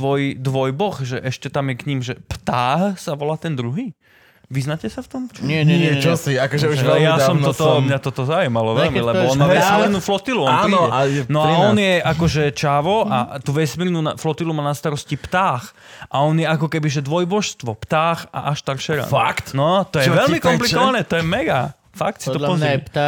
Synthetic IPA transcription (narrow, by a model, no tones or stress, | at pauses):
ʋɔjd̪ʋɔjbɔxʒɛʔɛʃcɛt̪amjɛkɲimʒɛpt̪aːxsaʋɔlaːt̪ɛnd̪ɾuɦiː | ʋiznacɛsaft̪ɔmt͡ʃɲɛɲɛɛɔsiakɔʒɛuʒɛjassɔmɔt̪ɔmɲat̪ɔt̪ɔzaujmalɔʋɛlmilɛbɔɔnmaʋɛssmiɾnuːflɔt̪iluɔnaːɔaɛnɔaɔnjɛʔakɔʒɛt͡ʃaːʋɔʔat̪uːʋɛsmiːɾnunaflɔt̪ilumaːnast̪aɾɔscipt̪aːx | ʔaɔnjɛakɔkɛbiʒɛd̪ʋɔjbɔʃst̪ʋɔpt̪aːxa̰ʔaʃst̪aɾʃɛɾa̰ːakt̪nɔt̪ɔjɛʋɛlmikɔmpliɔʋanɛːt̪ɔjɛmɛɡa | fak̚t̪sit̪ɔlɔzpt̪